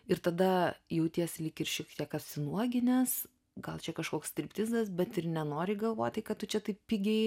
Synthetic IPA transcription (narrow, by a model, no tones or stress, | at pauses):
ɪɾt̪ɐd̪ɐjɛʊt̪ʲiɛsʲlʲɪkʲɪrʃʲiɛkt̪ʲiɛkɐpʲsʲɪnuɔɡʲɪnʲɛs | ɡɐlˠt͡ʃʲɛkɐʃkoːkst̪ʲɪɾʲpʲt̪ʲɪzɐsbʲɛt̪ɪrnʲɛnoːɾʲɪɡɐlˠʋoːt̪ʲtɐɪkɐttʊt͡ʃʲɛt̪ɐɪppʲɪɡʲɛɪ